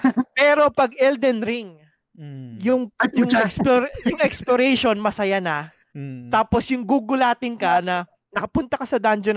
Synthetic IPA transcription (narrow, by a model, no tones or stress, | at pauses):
pɛːɾo̞pɐɡɛld̪ɛnɾɪŋ | jʊŋjʊŋɛksplojʊŋʔɛksploɾɛjʃo̞nmɐsɐjanɐ | t̪aːposjʊŋɡuːɡʊlaːt̪ɪnkɐnɐ | nɐkɐpʊnt̪ɐkɐsɐd̪and͡ʒon